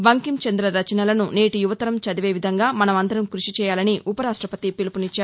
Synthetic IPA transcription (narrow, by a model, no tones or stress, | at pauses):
ʋɐŋkimt͡ʃɐnd̪ɾɐɾɐt͡ʃɐnɐlɐnune̞ːʈijuʋɐt̪ɐɾɐmt͡ʃɐd̪iʋeːʋid̪ʱɐŋɡaːmɐnɐmɐnd̪ɐɾɐmkɾuʂit͡ʃɛːjaːlɐniʔʔupɐɾaːʂʈɾɐpɐt̪ipilupunit͡ʃːaːɾu